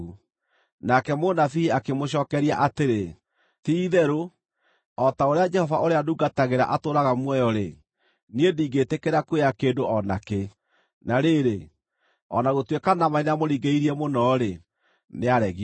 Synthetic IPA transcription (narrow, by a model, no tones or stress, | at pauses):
u | nakɛmonafiiakemoɕ̬ɔːkɛɾiaʔateɾe | tiːðɛɾo | ɔtaoɾead͡ʒɛhɔvaʔoɾeaduɡataɣeɾa̰ʔatoːɾaɣamwɛjɔɾe | niediːɡetekeɾakueakeːndoʔɔna̰ke | naɾeɾe | ɔ̰naɣotwekanamainamoɾiɡeiɾiɛmonɔɾe | neaɾɛɣi